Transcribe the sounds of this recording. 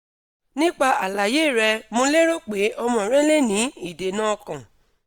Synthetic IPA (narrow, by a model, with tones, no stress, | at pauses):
nĩ˦k͡pa˧a˨la˨je˦˨ɾɛ˧mo˧le˦ɾo˦k͡pe˨˦ʔɔ˧mɔ̃˧˨ɾɛ̃˦le˦nĩ˨˦i˦˨de˨nã˦ɔ˧kã˨